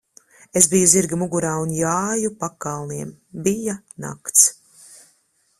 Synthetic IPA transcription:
esbijuziɾɡamuɡuɾaːunjaːjupakalˠniɛm | bija | na̰kt̪s

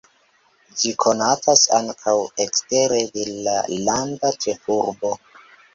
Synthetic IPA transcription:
d͡ʒikʰo̞natʰasaŋkʰawekste̞ɾedelalandat͡ʃefuɾbo̞

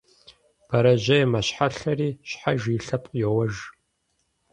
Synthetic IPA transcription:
b̥ɐɾɐʒɐjɛmɐɕħaɬɐriːɕħaʒiːɬɐpʼqʼjɛwɐʒ

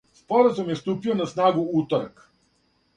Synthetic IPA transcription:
spoɾazumjest̪upionasnaːɡuut̪oɾa̰k

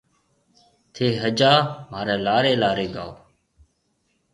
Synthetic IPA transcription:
t̪ʰeːɦəd͡ʒaːmaːɾeːlaːɾeːlaːɾeːɡa̰ːoː

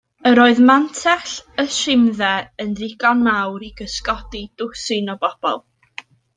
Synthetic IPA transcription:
əɾoːɨðmantʰɛɬəʃɪmðɛənrɪɡɔnmawɾiɡəskɔdid̥ʊsɪnɔbɔb̥ɔ̰lˠ

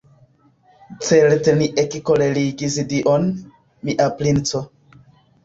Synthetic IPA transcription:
t͡selte̞niʔekkoleliɡisdiʔon | miʔaplint͡so

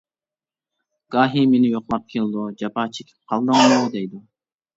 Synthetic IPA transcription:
ɡ̥ɑːɦimenɪjoqlˠɑp̚kʲʰelˠd̪ud͡ʒɑpʰɑːt͡ʃʰekʲʰi̥p̚qʰɑlˠd̪ɨŋlud̪ejd̪ɪ

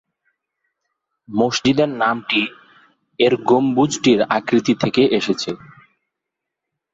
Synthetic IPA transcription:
moʃd͡ʑid̪eɾnamʈi | eɾɡombud͡ʑʱʈiɾa̰kɾit̪it̪ʰekeʔeʃet͡ɕʰe

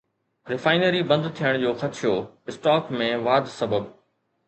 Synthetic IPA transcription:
ɾɪfaːɪnəɾibɐ̃nd̪t̪ʰijəɽ̃d͡ʑoːxɐt̪ʃʰɪjoː | ɪsʈaːkmẽʋaːd̪sɐbəb

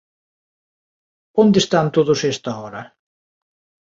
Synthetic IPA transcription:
ond̪est̪ant̪oðʊsɛst̪aɔɾɐ

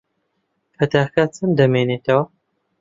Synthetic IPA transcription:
pʰɐt̪aːkat͡sʰɨnd̪ɐmeneːt̪ʰɐwɐ

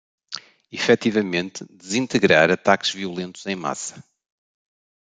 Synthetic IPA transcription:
ifɛt̪ivɐmẽnt̪d̪ɨzĩnt̪ɨɣɾaɾɐt̪akʒ̥viulˠẽnt̪uz̥ẽj̃ma̰sɐ̥

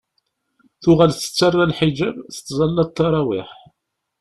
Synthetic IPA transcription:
θʊʁælθə̥t͡sːarːælħid͡ʒæbθə̥t͡sːzˤɑlːɑd̪̚ˤt̪ːɑɾˤɑwiħ

